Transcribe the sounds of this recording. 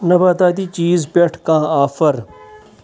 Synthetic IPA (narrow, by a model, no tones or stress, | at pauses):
nɐbaːt̪aːd̪iːt͡ʃiːzpeʈʰkãːaːfəɾ